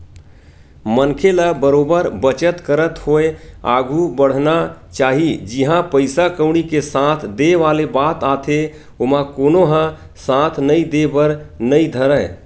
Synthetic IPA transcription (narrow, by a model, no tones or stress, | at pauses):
mənkʰeləbəɾobəɾbət͡ʃət̪kəɾət̪hoea̰ɡʱubəɽ̤nat͡ʃaɦid͡ʒiɦãpəɪsakəwɽ̃ikesãt̪ʰd̪eʋalebat̪at̪ʰe | omãkonoɦə̃ | sãt̪ʰnəid̪ebəɾnəid̪ʱəɾə